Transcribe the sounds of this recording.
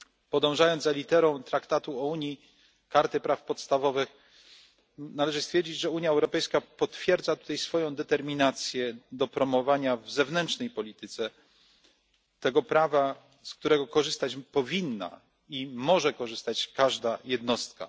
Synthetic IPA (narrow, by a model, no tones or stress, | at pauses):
pɔd̪ɔ̃w̃ʐajɔnd̪zalʲit̪ɛɾɔ̃w̃t̪ɾakt̪at̪uɔuɲi | kaɾt̪ɘpɾafpɔt̪st̪avɔvɘx | nalɛʐɘst̪fʲɛɾd͡ʑid͡ʑʐɛuɲjaɛwɾɔpɛjskapɔt̪fʲjɛɾd̪zat̪u̥t̪ajsfɔjɔ̃w̃d̪ɛt̪ɛɾmʲinat̪sʲjɛd̪ɔpɾɔmɔvaɲavzɛvnɛntt͡ʂnɛjpɔlʲit̪ɘt̪sɛ | t̪ɛɡɔpɾava | sk̚t̪uɾɛɡɔkɔʐɘst̪at͡ɕpɔvʲinːa̰ | imɔʐɛkɔʐɘst̪at͡ɕkaʐd̪ajɛd̪nɔst̪ka̰